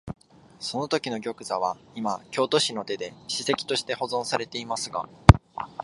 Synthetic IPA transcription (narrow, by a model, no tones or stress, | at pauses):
so̞no̞t̪o̞kʲino̞ɡʲo̞kɯ̟zaβ̞aimakʲo̞ːt̪o̞ɕino̞t̪e̞d̪e̞ɕise̞kʲi̥t̪o̞ɕi̥t̪e̞ho̞zõ̞ɰ̃saɾe̞t̪e̞imasɨɡa̰